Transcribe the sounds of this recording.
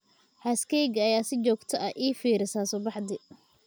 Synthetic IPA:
hɐskʰɛjɡɐːjaːsɪt͡ʃɔːɡt̪ʰɐʔɐʔiːfiːɾɪsaːsɔbɑħd̪ɪ

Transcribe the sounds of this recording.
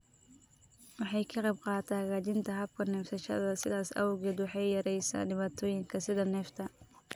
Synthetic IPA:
wɑħɑjkʰɐqɑb̚qɑːt̪ʰaːɣaːt͡ʃɪnt̪ʰɐɦɐb̚kʰɐnɛːft̪ʰɐʃɐ̰ðɐsɪðaːsɐ̰wʊɣɛːd̪wɑħɑjjɐɾɛjsa̰ːɖɪβaːt̪ʰɔːjɪŋkʰɐsɪðɐnɛːft̪ʰɐ

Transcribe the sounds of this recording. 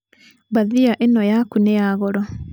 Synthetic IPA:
baðiaʔenɔjakuneaɣɔɾɔ

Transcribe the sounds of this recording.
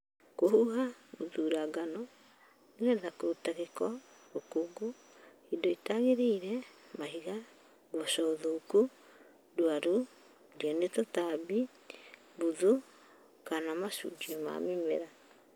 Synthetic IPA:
kohuɦauðuɾaɡanɔ | eɣɛðakoutaɣekɔ | ɾokuɡu | hidoitaɣeɾiiɾɛmaɦiɣa | ɡwɔʃɔoðoku | dwaɾu | diɔnetɔtabi | buðu | kanamasṵd͡ʒiɔma̰mimḛɾa

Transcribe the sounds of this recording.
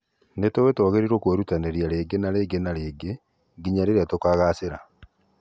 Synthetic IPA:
netowetɔɣeɾiɾokoɾutaneɾiaɾeːɡenaɾeɡenaɾeːɡe | ɡiɲaɾeɾeatokaɣaseɾa

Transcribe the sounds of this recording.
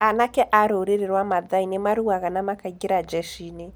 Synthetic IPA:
anakɛʔaɾoɾeɾeɾwamaðainemaɾuaɣanamakaiɡeɾad͡ʒɛʃine

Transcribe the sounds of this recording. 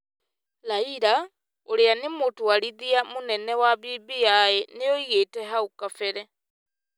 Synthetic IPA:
laiɾa | oɾeanemotwaɾiðiamonɛnɛwaβiβijaɛneoiɣetɛɦaukafɛɾɛ

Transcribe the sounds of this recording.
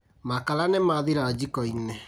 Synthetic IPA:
makalanɛmaðiɾaːd͡ʒikɔinɛ

